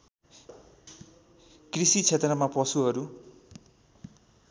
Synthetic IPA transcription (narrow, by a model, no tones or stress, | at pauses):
krisit͡sʰet̪rʌmapʌsuɦʌɾu